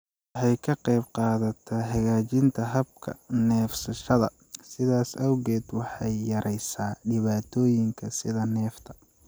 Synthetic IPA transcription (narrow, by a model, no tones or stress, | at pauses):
wħɑjkʰɐqɑjbqɑːðɐt̪ʰɐːɦɐɣaːt͡ʃɪnt̪ʰɐɦɐb̚kʰɐ̰nɛːfsɐʃɐðɐ | sɪðaːsɐwɣɛːd̪wɑħɑjːɐɾʔɛjsaːɖɪβaːt̪ʰɔːjɪŋkʰɐsɪðɐnɛːft̪ʰɐ̥